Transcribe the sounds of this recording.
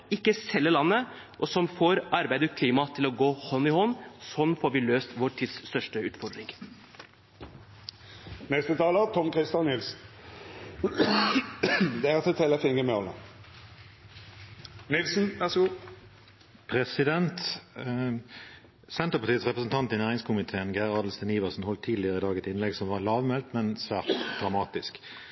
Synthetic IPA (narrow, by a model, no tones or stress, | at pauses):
ɪkːəsɛlːəlɑnːə | ʔɔsɔmfoːɾʔɑɾbæɪd̪əkʰliːmɑt̪ʰɪlɔɡoːhɔnːɪhɔnːsɔnːfoːɾʋɪløːst̪ʋoːɾʈ̪ʰɪd̪sst̪œʂʈəʉːt̪fɔɖ̪ɾɪŋ | nɛst̪ət̪ʰɑːlət̪ʰɔmkʁɪst̪jɑnnɪlsn̩ | d̪ɛæʁt̪ət̪ʰɛləfɪŋɡəmɛɔlə̰ | nɪlsn̩ʋæʁsəɡuː | pʰɾɛsɪd̪ɛnt̪ | sɛnt̪əʁpɑʁt̪iːət̪sʁɛpʁəsn̩t̪ʰɑnt̪iːnæːʁɪŋskʰʊmɪt̪ʰeːənɡæʁɑːd̪lst̪ɛniːʋɑsn̩hɔlt̪ʰːiːd̪lɪəʁəɪd̪ɑːɡəɛt̪ɪnlɛɡsɔmʋɑlɑːʋmɛlt̪mɛnsʋæːʁt̪d̪̥ʁɑmɑːt̪ɪsk